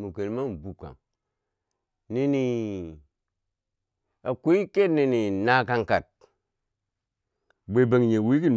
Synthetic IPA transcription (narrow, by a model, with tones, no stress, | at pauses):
mu˨ke˨lma˦m˨bu˨ka̰˨ | ni˦ni˨ | a˨ku˦i˦ke˦tni˦˧ni˨na˦ka˧ŋka˨t̚ | be˨be˨ŋ˨ɲe˨wi˦ki˦n